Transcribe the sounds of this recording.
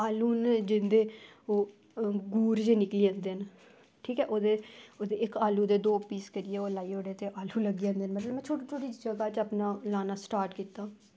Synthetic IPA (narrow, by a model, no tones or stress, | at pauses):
aːluːnd͡ʒɪnd̪eːoː | ɡuːɾd͡ʒeːnɪkliːãːnd̪eːn | ʈʰiːkɛːʔoːd̪eːoːd̪eːɪkaːluːd̪eːd̪oːpːiːskəɾɪjeːoːlaːiːoːɽeːt̪eːʔaːluːləɡiːãːnd̪eːnmət̪ləbmɛ̃ːt͡ʃʰoːʈːt͡ʃʰoːʈiːd͡ʒəɡaːt͡ʃəpnaːlaːnaːsʈaːɾʈkiːt̪aː